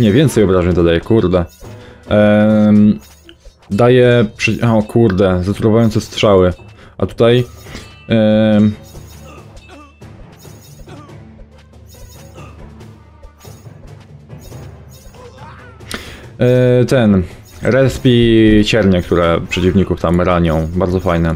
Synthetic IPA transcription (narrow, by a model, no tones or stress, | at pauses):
ɲɛvʲjɛnt̪sɛjɔbɾaʒɲɛt̪ɔd̪ajɛkuɾd̪ɛ | d̪ajɛpʂɛɔkʰuɾd̪ɛzat̪uɾɔvajɔnt̪ɛst̪ʂawɘʔa̰t̪u̥t̪aj | t̪ɛn | ɾɛspʲit͡ɕɛɾɲɛk̚t̪ʰuɾɛpʂɛt͡ɕivɲikuft̪amɾaɲɔ̃w̃baɾd̪zɔfajnɛ